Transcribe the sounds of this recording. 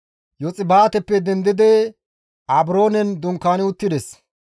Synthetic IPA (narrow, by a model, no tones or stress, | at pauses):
jɔt͡sʼɪbaːt̪ɛpːɛd̪ɛnd̪ɪd̪ɛ | ɐbɾo̞ːnɛnd̪ʊŋkːaːnɪʊt̪ːɪd̪ɛs